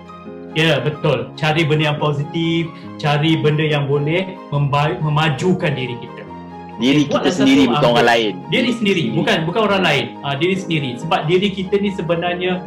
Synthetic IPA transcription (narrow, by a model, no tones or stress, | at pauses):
jabət̪ʊlt͡ʃaɾibəndəjaŋpozit̪if | t͡ʃaɾibəndəjaŋbolɛhmə̃mbamə̃mad͡ʒukandiɾikit̪ə | diɾiuasəiɾiuakanoɾaŋlaɪndiɾisəndiɾibukanbukanoɾaŋlaɪnədiɾisəndiɾisəbap̚diɾikit̪ənisəbənarɲə